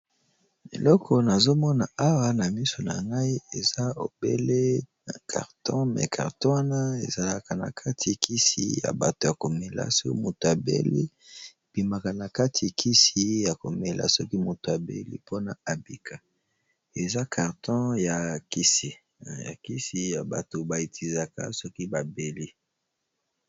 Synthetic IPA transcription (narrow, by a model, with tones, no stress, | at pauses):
ḛ˨lɔ˦kʰɔ˨na˨zo˦mɔ˦na˨a˦wa˦na˨mi˦so˨na̰˨ŋɡa˦i˦e˨za˦o̰˨bḛ˦le˦na˨kʰa̰˨ʁtʰɔ̃˦mɛ̰˨kʰa̰˨ʁtɔ˦wa˦na˦ḛ˨za˨la˨ka˨na̰˨kʰa˦tʰi˨kʰi˦sḭ˨ja̰˨ba˨to˨ja˨ko˨me˨la̰˦sɔ˦ki˦mo˨to˨a˨bḛ˦lḭ˦˨ | b̥i˨ma˨ka˨na˨ka˦tʰi˨kʰi˦si˨ja˨ko˨me˨lʔa̰˨sɔ˦ki˦mo˨to˨a˨bḛ˦lḭ˦pʰo˦na˨a˨bi˨kʰa˨ | e˨za˦kʰa˨ʁtʰɔ̃˦ja˨ki˦si˨ | ja̰˨ki˦si˨ja˨ba̰˨to˨ba˨i˨ti˨za˨ka̰˦sɔ˦ki˦ba˨be˨li˦